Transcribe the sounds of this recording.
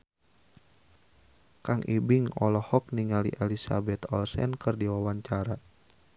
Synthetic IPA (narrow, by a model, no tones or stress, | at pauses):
kaŋʔibiŋɔlɔhɔk̚niŋaliʔɛlisa̰bɛt̪ɔlsɛnkɨrdiwawaɲt͡ʃaɾa